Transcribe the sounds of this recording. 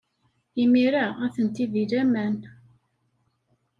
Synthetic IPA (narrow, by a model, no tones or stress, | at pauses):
imiɾaæθənt̪iðilæmæn